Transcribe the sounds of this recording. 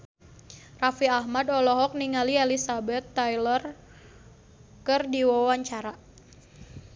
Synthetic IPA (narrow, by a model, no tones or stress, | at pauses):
rafiahmadɔlɔɦɔk̚niŋalielisabɛt̪ːajlər | kɨrdiwawaɲt͡ʃaɾa